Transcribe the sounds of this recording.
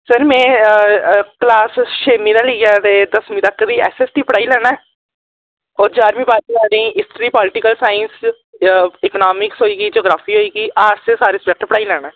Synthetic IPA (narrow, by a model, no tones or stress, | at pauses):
səɾmɛ̃ː | klaːsʃeːmĩːd̪ãːləiaːt̪eːd̪əsmĩːt̪əkːd̪iːɛ̰ːsɛːsʈ̪iːpəɽaːilɛːnaɛː | ɔːɾd͡ʒaːɾmĩːbaːɾiːnaːɖẽĩɪsʈɾiːpɔːlɪʈɪkəlsaːɪns | ɪknaːmɪksɦoːiːɡiːd͡ʒoːɡɾaːpʰiːɦoːiːɡiːʔaːɾsesaːɾeːsbɛk̚ʈpəɽaːilɛːñaː